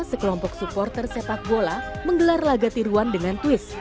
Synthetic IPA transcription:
səkəlɔmpɔksupɔrt̪ərsepak̪̚bolaməŋɡəlarlaɡat̪iɾuandəŋant̪wɪs

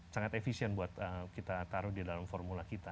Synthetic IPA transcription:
saŋat̪efisiɛnbuat̪əkit̪at̪aɾʊhdidalamfɔrmulakit̪a

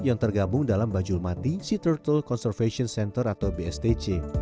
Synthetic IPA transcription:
jaŋt̪ərɡabʊŋdalambad͡ʒʊlmat̪isit̪ərt̪əlkɔnsɛrfeʃiɔnsɛnt̪ərat̪awbeɛst̪et͡ʃe

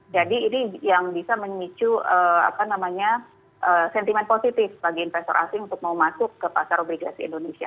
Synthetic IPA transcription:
d͡ʒadiːnijaŋbisaməɲmit͡ʃuəa̰panamaɲa | ʔəsɛnt̪imɛnposit̪ɪfbaɡiinfɛst̪ɔ̰ɾʔa̰sɪnunt̪ʊk̚maumasʊkːəpasaɾobliɡasiḭndonesia̰

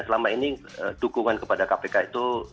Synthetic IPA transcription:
səlamainiə̰dukuŋankəpadakapekait̪u

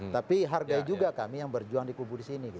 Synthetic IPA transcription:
t̪apiɦarɡaid͡ʒuɡakamijaŋbərd͡ʒuaŋdikubudisiniɡi

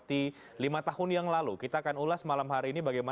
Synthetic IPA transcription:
t̪i | limat̪ahʊnjaŋlalukit̪aːkanulasmalamhaɾiːnibaɡajma

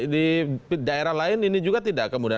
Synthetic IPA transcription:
dipdaeɾahlaɪninid͡ʒuɡat̪idakːəmuda

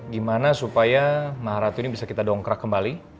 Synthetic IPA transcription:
ɡimanasupajamaɦaɾat̪unibisakit̪adɔŋkəɾakːəmbali

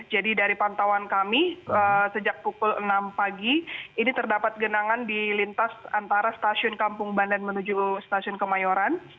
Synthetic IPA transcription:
d͡ʒadidaɾipant̪awankamiəsəd͡ʒak̚pukʊlənampaɡiinit̪ərdapat̪̚ɡənaŋandilint̪asant̪aɾast̪asiʊnkampʊŋbandanmənud͡ʒust̪asiʊnkəmajoɾan

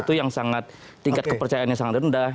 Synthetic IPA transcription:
t̪ujaŋsaŋat̪̚ː | iŋkat̪kəpərt͡ʃajanɲasaŋat̪̚ənda

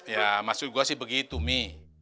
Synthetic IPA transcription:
jamasuɡuasihbəɡit̪umi

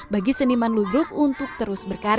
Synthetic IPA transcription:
baɡisənimanludɾʊk̚unt̪ʊk̚t̪əɾʊsbərkaɾ

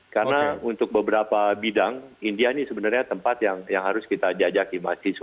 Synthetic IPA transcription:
karənaunt̪ʊk̚bəbəɾapabidaŋindianisəbənarɲat̪əmpat̪jaŋjaŋɦaɾʊskit̪ad͡ʒad͡ʒakima̰sis

